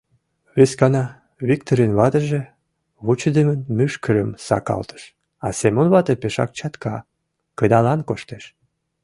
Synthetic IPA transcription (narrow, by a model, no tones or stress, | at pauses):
βeskɑnɑ | βik̚t̪oɾenβɑt̪əʒĕ | βut͡ɕəd̪emənmyʃkʰəɾəmsɑ̰kɑ̰lt̪ə̥ʃ | ɑsemonβɑt̪epeʃɑ̰k̚t͡ɕɑt̪kʰɑ | kəd̪ɑlɑnkoʃt̪eʃ